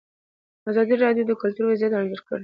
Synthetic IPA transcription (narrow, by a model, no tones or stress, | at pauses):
azɑd̪iɾɑd̪jod̪əkʊlt̪uɾbazjɑt̪ɑɳd͡ʒəɾkə̰ɽ